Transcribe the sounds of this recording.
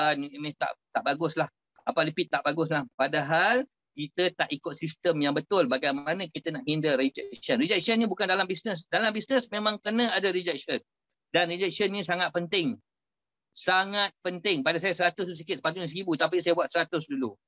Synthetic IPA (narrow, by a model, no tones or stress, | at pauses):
animɪt̪a̰ʔt̪aʔbaɡʊslah | apalipɪt̪ːaʔbaɡʊs̬lahpadaɦal | kit̪ət̪aʔikʊt̪̚sist̪əmjaŋbət̪ʊlbaɡajmanə̃kit̪ənaʔhindəɾid͡ʒɛk̚sənrid͡ʒɛk̚sənɲĩbukandalambisnəsdalambisnəsmemãŋkənə̃adaɾid͡ʒɛk̚sən | danrid͡ʒɛk̚sənɲĩsaŋat̪̚pənt̪ɪŋ | saŋat̪̚pənt̪ɪŋpadas̬ajasəɾat̪ʊsusikɪt̪̚səpat̪uɲĩsɾibut̪ap̬isajabuat̪̚səɾat̪ʊsdulu